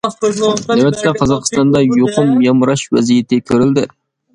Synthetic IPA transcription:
næwɛt̪ʰːɛqʰɑzɑqst̪ɑnd̪ɑjoqʰʊnmijɑmɾɑʃwæ̰zijet̪ʰɪkʲʰøɾɪld̪ɪ

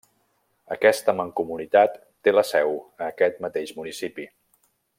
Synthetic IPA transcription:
əkɛst̪əməŋkumunit̪at̪ːeləsɛwəːkɛt̪̚mət̪eʃmunisipi

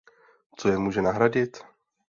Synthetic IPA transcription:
t͡sojɛmuːʒɛnaɦɾaɟɪt̪

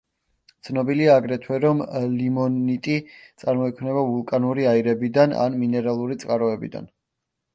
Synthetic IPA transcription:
t̪sʰnɔbiliaːɡɾɛt̪ʰwɛɾɔmlimɔnit̪ʼit̪sʼaɾmɔikʰmnɛbavulˠkʼanuɾiaiɾɛbid̪ana̰nminɛɾalˠuɾit̪sʼqʼaɾɔɛbḭd̪a̰n

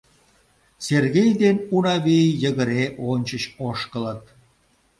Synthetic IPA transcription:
serɣejd̪enunɑβejjəɣəɾeʔonʲt͡ɕəɕoʃkələt̪̚

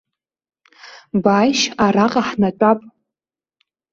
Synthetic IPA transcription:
bajʃaɾaqʼaħnat͡ʃʷʼapʼ

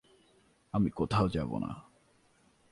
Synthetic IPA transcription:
amikot̪ʰaod͡ʒabo̰na̰

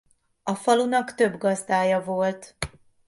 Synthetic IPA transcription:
ɒfɒlunɒkt̪ø̞bɡɒzd̪aːjɒvolt̪

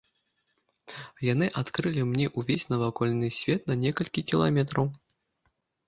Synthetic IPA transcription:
janɨʔat̪kɾɨlʲimnʲɛʔuvʲesʲnɐvakɔlʲnɨsʲvʲɛt̪̚nɐnʲɛkɐlʲkʲikʲilˠa̰mʲɛt̪ɾɐw

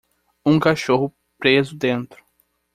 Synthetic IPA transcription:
ũŋkaʃoɦʊ | pɾezʊd̪ẽnt̪ɾʊ̥

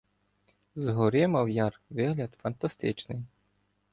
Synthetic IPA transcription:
zɦɔɾɪmɐwjɑrʋɪɦlʲɐd̪fɐnt̪ɐst̪ɪt͡ʃnɪj

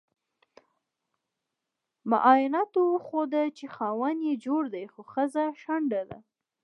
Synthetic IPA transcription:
ma̰ʔɑjɪnɑt̪owxod̪at͡ʃexɑwanjed͡ʒoɽd̪ajxoxəzaʃaɳɖad̪a̰

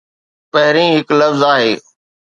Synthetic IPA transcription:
pəɦɪɾĩːɦɪkləfzaːɦeː

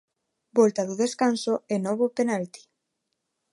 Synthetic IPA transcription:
bɔlt̪aðoðeskansoɛnɔβ̞openalt̪i̥

